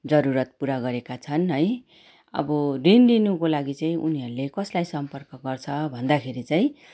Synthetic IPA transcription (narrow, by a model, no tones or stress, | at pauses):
d͡zʌɾuɾʌt̪̚puɾaɡʌɾekat͡sʰʌnɦʌj | ʌ̰bʌrinlinukolaɡit͡saĩʔṵniɦʌɾulekʌslajsʌmpʌrkʌɡʌrt͡sʰʌbʱʌnd̪akʰeɾit͡saĩ